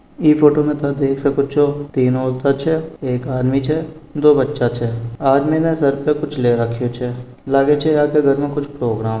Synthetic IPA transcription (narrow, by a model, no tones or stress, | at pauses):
iːfoːʈomẽt̪ɐd̪eːkʰsɐkot͡ʃʰot̪iːnoːlt̪at͡ʃʰɛeːkaːd̪mit͡ʃʰɛd̪oːbətːʃat͡ʃʰɛaːdminẽsɐɾpekʊt͡ʃʰleːɾəkʰːjot͡ʃʰɛ | laːɡet͡ʃʰɛjaːkeɡʱəɾmẽkʊt͡ʃʰpɾoːɡɾaːm